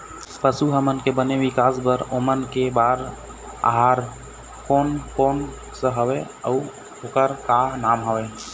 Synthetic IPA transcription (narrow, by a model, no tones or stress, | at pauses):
pəsuɦəmənkebəneʋɪkaːsbəɾomənkebaɾ | a̰ɦaɾ | koːnkoːn | səɦəwe | əʊ | oːkəɾkaɦnaːmɦəʋe